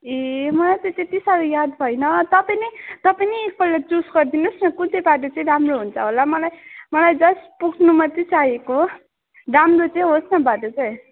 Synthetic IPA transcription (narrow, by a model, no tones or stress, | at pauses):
emʌlajt̪ʌt̪et̪isaɾujad̪bʱʌjnʌt̪ʌpajnʌt̪ʌpajniːk̚bʌllat͡susɡʌrd̪inusnʌkut̪ebaʈ̬ot͡sʌĩɾamroɦunt͡sʰʌɦolamʌlajmʌlajd͡zʌspuɡnumʌt̪et͡saɦeko | ɾamrot͡sʌĩɦosnʌbʱaʈot͡saj̃